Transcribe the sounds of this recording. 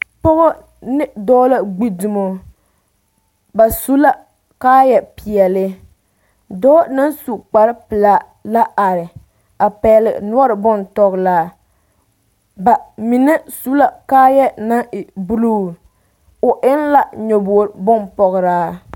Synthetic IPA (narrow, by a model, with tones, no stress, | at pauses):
pɔ˦ɣɔ˦ | nɪ˦dɔː˦la˦ɡ͡bi˦du˨mo˨ | ba˨su˦la˦ | kaː˦jɛ˨pi˨jɛ˨lɪ˦ | dɔː˦na˦nsu˨k͡pa˨ɾɪ˦pɪ˨la˦ | la˦ʔa˨ɾɪ˨ | a˨pɛ˨lɪ˨n˦ɔ˦ɾɪ˨bɔ˦ntɔ˨ɣlaː˦ | ba˨mi˨nɛ˦su˦la˦kaː˦jɛ˦na˦ɪ˨bu˦lu˦˨ | ʊ˨ʔɪ˦nla˦ɲo˨bo˨ɾbɔ˦npɔ˨ɣɪ˨ɾaː˦